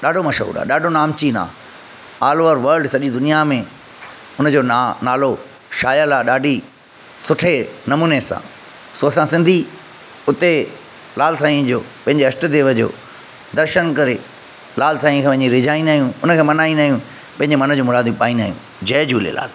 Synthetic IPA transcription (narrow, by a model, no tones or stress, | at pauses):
ɗaːɖʱomɐʃɦṵːɾa̰ːɗaːɖʱonaːmt͡ɕina̰ː | aːlʋəɾʋɐɾɖsɐʄid̪ʊnijamẽ | ʊnəd͡ʑoːnanaːlo | ʃaːjəlaːɗaːɖʱi | sʊʈʰenɐmuːnesã̰ː | soːsãsɪ̃nd̪ʱi | ʊt̪e | laːlsaːĩd͡ʑoː | pɐ̃ɦɪ̃ɲd͡ʑeɐsʈə̆d̪eːʋəd͡ʑo̰ː | d̪ɐɾʃənkɐɾe | laːlsaːĩkʰeʋɐ̃ɦɪ̃ɲd͡ʑiɾɪd͡ʑaːĩnaːɦjũʊnəkʰeːmɐnaːĩnaːɦijũ | pɐ̃ɦɪ̃ɲd͡ʑemɐnəd͡ʑũːmʊɾaːd̪ipaːĩnaːɦijũ | d͡ʑɐːd͡ʑuːlḛla̰ːl